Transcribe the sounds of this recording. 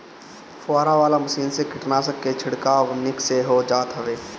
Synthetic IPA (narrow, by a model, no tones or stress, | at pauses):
faːɾaʋaːlamɐsiːnsekʰɪʈnasəkːet͡ʃʰɪɽkaːnɪkseɦod͡ʒaːt̪ɦəʋeː